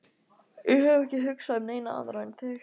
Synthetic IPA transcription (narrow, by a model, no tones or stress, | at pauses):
jɪhœvʏɛhcɪɦʏksaðʏmneːjnaa̰ðɾant̪ʰɪ